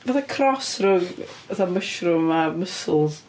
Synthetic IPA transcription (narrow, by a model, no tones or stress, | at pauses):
vaθakʰrɔsrʊŋəθaməʃrʊmaməsl̩ˠz